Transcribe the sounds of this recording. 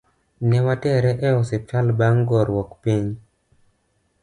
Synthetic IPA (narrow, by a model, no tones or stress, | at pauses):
nɛwatɛɾɛʔɛɔsɪp̚t͡ʃalbaŋɡɔɾwɔkpiɲ